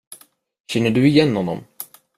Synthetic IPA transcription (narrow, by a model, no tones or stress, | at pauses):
ɕɛnːəɖɵɪjɛnːhɔnːɔ̰m